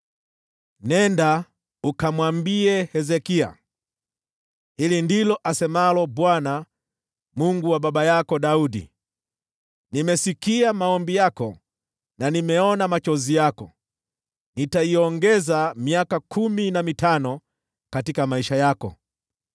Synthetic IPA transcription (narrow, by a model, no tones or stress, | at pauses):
nɛnda | ukamwambiɛhɛzɛkia̰ | ilindilɔʔasɛmalɔbwana | muŋɡuwababajakɔdaudḭ | nimɛsikiamaɔmbijakɔ | nanimɛɔnamat͡ʃɔzijakɔ | nitaiɔŋɡɛzamiakakʰuminamitanɔ | katikamaiʃajakɔ̰